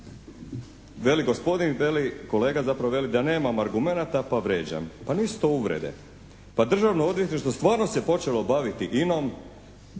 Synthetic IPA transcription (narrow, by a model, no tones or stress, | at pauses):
ʋe̞liɡospo̞d̪inʋeliko̞leːɡazapɾaʋoʋe̞lid̪ane̞ːmamaɾɡume̞nat̪apaʋɾeːd͡ʑa̰mpanist̪o̞uʋɾḛd̪ḛ | pad̪r̩ʒaʋnoo̞d̪ʋjet̪niʃt̪ost̪ʋaːɾno̞sepo̞t͡ʃe̞lo̞baʋit̪iʔino̞m